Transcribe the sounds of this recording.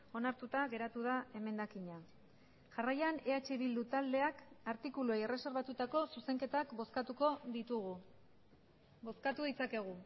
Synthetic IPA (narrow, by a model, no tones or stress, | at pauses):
o̞naɾt̪ut̪aɣe̞ɾat̪uðae̞me̞nd̪akiɲa | ʝarajane̞at͡ʃiβild̪ut̪ald̪e̞akaɾt̪ikuluejere̞se̞ɾβat̪ut̪ako̞suse̞ŋke̞t̪akboskat̪uko̞ðit̪uɣu | bo̞skat̪uðit͡sake̞ɣ̞u